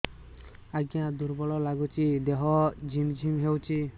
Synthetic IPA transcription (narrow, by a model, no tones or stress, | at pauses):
aɡiãd̪uɾbɔlɔlaɡut͡ʃʰid̪eɦɔd͡ʒʱimd͡ʒʱimɦewt͡ʃʰi